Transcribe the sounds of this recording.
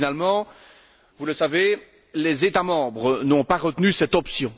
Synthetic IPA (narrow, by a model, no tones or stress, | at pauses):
nalmɑ̃ | vuləsave | lezet̪amɑ̃bʁənɔ̃paʁət̪nysɛt̪ɔpsjɔ̃